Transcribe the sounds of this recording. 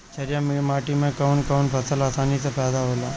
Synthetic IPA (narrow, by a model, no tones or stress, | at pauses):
t͡ʃʰɐɾjãmmaːʈimẽkəʋnkəʋnpʰɐsəlaːsaːnisepɛːd̪aɦoːlaː